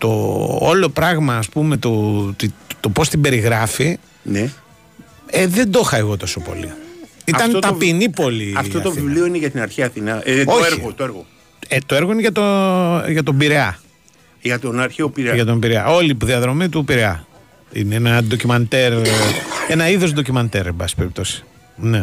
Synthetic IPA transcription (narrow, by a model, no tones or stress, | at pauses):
t̪o̰olo̞pɾɐɣmɐːspume̞t̪ut̪it̪opo̞st̪ibe̞ɾiɣɾɐfi | ne | eðe̞nd̪o̞xɐeɣo̞t̪o̞so̞po̞̰lḭit̪ɐnot̪ɐpinipo̞liɐft̪ot̪ovivlio̞ineʝɐt̪inɐɾçiɐθinɐo̞ɾiot̪oeɾɣo | et̪oe̞ɾɣo̞ineʝɐt̪oʝɐt̪o̞biɾeɐ | ʝɐt̪onɐɾçeopiɾeʝɐt̪o̞mbiɾeɐ̰ʔo̞lipðiɐðɾo̞mit̪upiɾeɐ̰ | ḭneenɐd̪o̞cimɐnt̪eɾ | enɐiðo̞zd̪o̞cimɐnt̪eɾebɐsi̥pe̞ɾip̚t̪osi̥ | ne